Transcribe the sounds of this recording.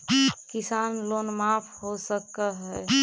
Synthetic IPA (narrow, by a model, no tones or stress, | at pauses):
kɪsaːnloːnmaːpʰhosəkaɦɛ